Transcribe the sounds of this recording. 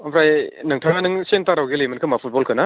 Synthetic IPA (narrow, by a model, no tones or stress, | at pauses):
abʰɾajnɯŋtʰaɡanɯŋsentaɾawɡilemɯnkʰɯmapʰut̚bɔlkʰɯna